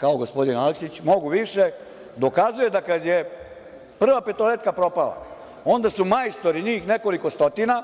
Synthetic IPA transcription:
kao̞ɡo̞spo̞d̪inaleksit͡ɕmo̞ɡuʋiʃe | d̪o̞kazuje̞d̪akad̪je | pr̩ʋapet̪olet̪kapɾo̞pala̰ | o̞nd̪asumajst̪o̞ɾiɲiːxneko̞liko̞st̪o̞t̪ina

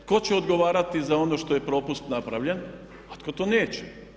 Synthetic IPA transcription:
ko̞t͡ɕeod̪ɡo̞ʋaːɾat̪izao̞no̞ʃt̪o̞je̞pɾo̞pust̪napɾaʋʎen | ot̪̚kot̪oːneːt͡ɕe̥

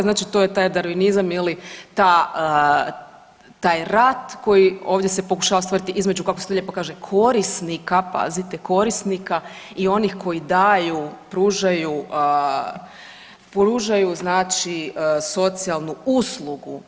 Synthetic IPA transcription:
znaːt͡ʃit̪o̞jet̪aːjd̪aɾʋinizamilit̪a | t̪aːjɾat̪ko̞jio̞ːʋd̪jese̞po̞ku̥ʃaʋast̪oɾit̪iʔizme̞d͡ʒukakost̪oʎepokaːʒekʰo̞ɾisnikapa̰zit̪eko̞ɾisnika | io̞nixko̞jid̪ajupɾuːʒajuə | pɾuːʒajuznaːt͡ʃiso̞t̪sialˠnuuslˠuɡṵ

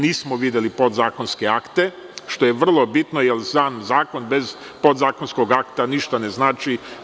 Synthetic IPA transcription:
niːsmoʋid̪jelipo̞d̪zaːko̞nske̞akt̪e̞ | ʃt̪o̞jeʋr̩lˠo̞bit̪nojelsanzaːko̞nbe̞z | pod̪zaːkonsko̞ɡakt̪aniʃt̪aneznaːt͡ʃi

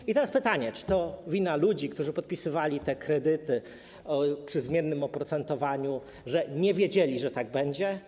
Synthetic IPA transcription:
it̪ɛɾaspɘt̪aɲɛt͡ʂɘ̥t̪ɔvʲinalud͡ʑikt̪uʐɘpɔt̪̚pʲisɘvalʲit̪ɛkɾɛd̪ɘt̪ɘ | ɔpʂɘzmʲjɛnːɘmɔpɾɔt̪sɛnt̪ɔvaɲu | ʐɛɲɛvʲjed͡ʑelʲiʐɛt̪aɡ̚bɛɲd͡ʑɛ

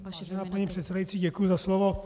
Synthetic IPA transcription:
ʒɛnaːpaɲipr̝̥ɛt̪sɛdajitt͡siːɟɛkujuzaslovo

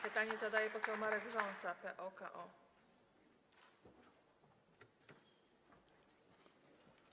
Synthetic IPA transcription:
pɘt̪aɲɛzad̪ajɛpɔsɛwmaɾɛɡʐɔ̃ñsapɛʔɔka̰ʔɔ

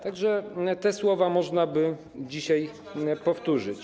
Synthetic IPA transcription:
t̪aɡʐɛt̪ɛswɔvamɔʐnabɘ | d͡ʑiɕaj | pɔft̪uʐɘt͡ɕ

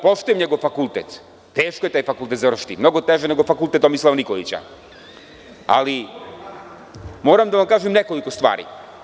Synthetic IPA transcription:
poʃt̪ujemɲeɡovfakulˠt̪ɛt̪ː | eːʃkojet̪aːjfakulˠt̪et̪zavr̩ʃi̥t̪imnoɡot̪eʒɛneɡofakulˠt̪ɛt̪omislˠaʋnikolḭt͡ɕa̰ | a̰li | moːɾamd̪aʋamkaːʒɛmnekolikost̪vʋa̰ːɾḭ

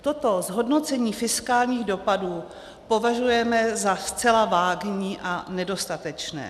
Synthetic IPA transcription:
t̪o̞t̪o̞zɦo̞dno̞t͡sɛɲiːfɪskaːlɲiːɣdo̞paduː | po̞vaʒujɛmɛzast͡sɛlavaːɡɲiːʔanɛdo̞st̪at̪ɛt͡ʃnɛ̰ː

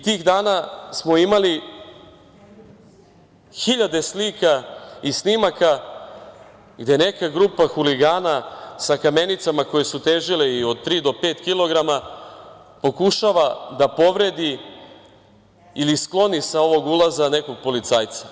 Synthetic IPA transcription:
it̪iːɣd̪aːnasmo̞imali | xiʎad̪e̞slikaisnimaka | ɡd̪e̞ne̞kaɡɾupaxuliɡaːnasakame̞nit̪samako̞je̞sut̪eːʒileio̞d̪̚t̪ɾiːd̪o̞pe̞ːt̪kilˠo̞ɡɾama | po̞kuʃaʋad̪apo̞ʋɾe̞d̪i | ilisklo̞nisao̞ʋo̞ɡulˠazane̞ko̞ɡ̚po̞lit̪saːjt̪sḁ

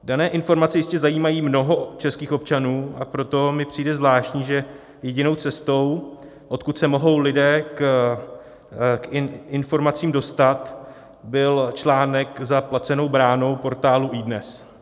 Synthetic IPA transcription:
danɛːʔɪnfo̞ɾmat͡sɛjɪscɛzajiːmajiːmno̞ɦo̞t͡ʃɛskiːxo̞p̚t͡ʃanuːʔapɾo̞t̪o̞mɪpr̝̥iːjdɛzvlaːʃcɲiːʒɛ | jɛɟɪno̞wt͡sɛst̪o̞w | ʔo̞t̪̚kut̪sɛmoɦo̞wlɪdɛːk | kɪnfo̞ɾmat͡siːmdo̞st̪at̪ | bɪlt͡ʃlaːnɛkzaplat͡sɛno̞wbɾaːno̞wpo̞ɾt̪aːluʔiːdnɛs

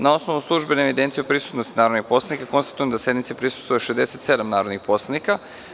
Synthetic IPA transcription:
nao̞snoʋnuslˠuʒbeneeʋid̪ent̪siopɾisut̪nost̪inaːɾo̞d̪nipo̞slanikako̞nst̪ḁt̪ujemd̪ase̞d̪mit̪siepɾisu̥st̪vojeʃezd̪eset̪se̞d̪amnaːɾo̞d̪nixpo̞slˠanika

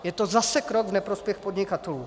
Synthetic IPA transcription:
jɛt̪ozasɛkɾoɡvnɛpɾospjɛxpodɲɪkat̪ɛluː

